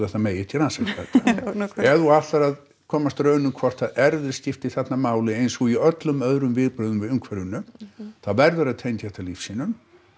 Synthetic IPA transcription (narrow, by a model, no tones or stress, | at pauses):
aθaðmeːjɪt̪ʰilransat̪ɛ̰t̪ːaɛðuat̪aɾað | kʰɔːmast̪ɾœːɥnʏmkʰvɔr̥t̪ʰaɛɾðʏɾ̥scɪft̪iθɛt̪namaːwlɪejnsɔɣiœt̪lʏmœðɾʏmvɪðpɾœːðʏmvɪðʏmkʰvɛɾjʏnːʏθaðvɛɾðʏɾaðt̪ʰejnt̪hɛht̪aliːfsiːnʏm